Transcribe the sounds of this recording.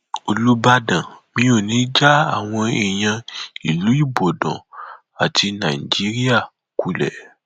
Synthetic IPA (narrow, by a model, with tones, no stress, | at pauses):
o˨lu˦ba˦dã˨mĩ˧˦o˨nĩ˨˦d͡ʒa˦a˦˨w̃ɔ̃˧e˨j̃ã˧i˨lu˨˦i˦˨bo˨dɔ̰̃˨ | a˨tʰi˧nã˨i˨d͡ʒi˨˦ɾi˦a˦˨ | ku˨˦lɛ̰˨